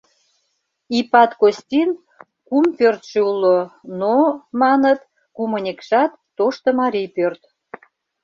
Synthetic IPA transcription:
ipɑt̪kost̪ʲin | kumpørt̪ʃeulːonomɑnət̪ | kumənʲekʃɑt̪ːoʃt̪ə̆mɑɾijpørt̪

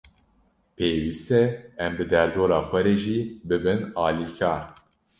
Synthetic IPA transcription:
peːwiːst̪ɛɛmbɨd̪ɛɾd̪oːɾɑːxʷwɛɾeːʒiːbɨbɨnɑːliːkʰɑːɾ

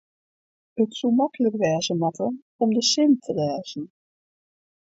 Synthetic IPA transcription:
ətsumakələkʋɛːzəmatə | ɔmdəsɪntʰəʋɛːzn̩

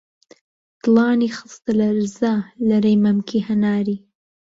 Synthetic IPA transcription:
t̪lɑːnixəst̪əlaɾzalaɾajmamkʰihanɑːɾi

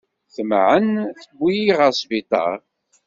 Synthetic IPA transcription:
θəmʕənθəbːijiʁəɾsˤvit̪ˤɑ̰

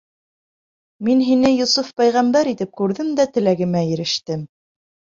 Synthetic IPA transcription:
minɦinɘjŏsufpæjʁæmbæɾit̪ɘp̚kʉɾðɘmd̪æt̪ɘ̆læɡɘ̆mæjɘ̆ɾɘ̆ʃt̪ɘm

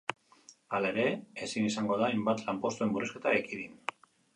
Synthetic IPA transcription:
alae̞ɾe̞esinisaŋɡo̞ðaajmbat̪lampo̞st̪ue̞mburiske̞t̪aekiðin

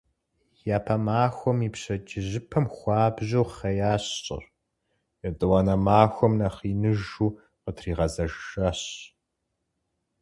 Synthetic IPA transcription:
jaːpʰɐmaːxʷɔmiːpɕɐd͡ʒʼɪʑɨpʰɐmxʷɑːbʑuːχɐjaːɕɕʼɪ̰r | jɛdʼɨwɑnɐmaːxʷɔmnɐχiːnɨʒuː | qətʰriːʁɐzɐʒʒɐɕ

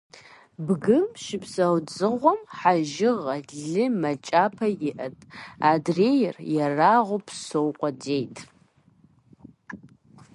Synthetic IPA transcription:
bɡɨmʃɪpʰsɐwd͡zɨʁʷɔmħaʒɪʁɐɮɨmɐt͡ʃʼapʰɐjɪʔɐtʼadrejɪrjaraʁʷʊpʰsowqʷʼɔdejtʼ

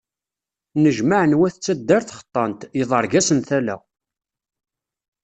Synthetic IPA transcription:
nəʒmaʕənwæθt͡sːæd̪ːæɾθχə̥t̪ˤːɑnt̪jəðˤəɾˤɡæsənθælæ̰

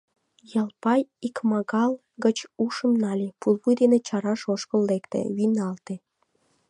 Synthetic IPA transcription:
jɑlpɑjikmɑɣɑl | ɡət͡ɕuʃəmnɑlʲepulˠβujd̪enet͡ɕɑɾɑʃoʃkəlːekt̪ḛβinɑlt̪e

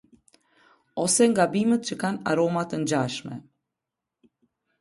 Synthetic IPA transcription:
ɔsɛŋɡabimət̪̚t͡ɕəkana̰ɾɔmat̪ənd͡ʑaʃmɛ̰

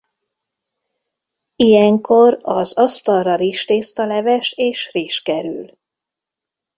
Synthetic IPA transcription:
ijɛŋko̞rɒzɒst̪ɒlrɒɾiːʃt̪eːst̪ɒlɛvɛʃeːʃriːʃkɛɾy̰l

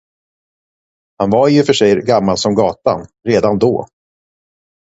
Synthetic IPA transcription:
hanvaɾjɵfœʂɛjɡamːalsɔmɡɑːt̪a̰nɾeːd̪and̪ɔ̰ː

